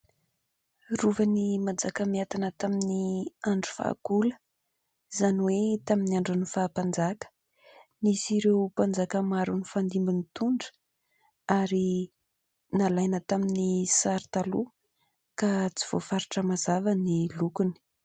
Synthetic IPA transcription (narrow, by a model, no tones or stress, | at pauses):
ruvənimand͡zakəmiat̪anət̪aminiaɳɖ͡ʐu̥fa̰ːkulə | zaniwet̪aminiaɳɖ͡ʐunifaːpand͡zakə̥ | nisiɾewpand͡zakəmaɾunifand̪imbinit̪uɳɖ͡ʐə̥ | aɾi | nalajnət̪aminisaɾit̪alu | kat͡si̥v̥ofaɾiʈ͡ʂəmazavanilukuni̥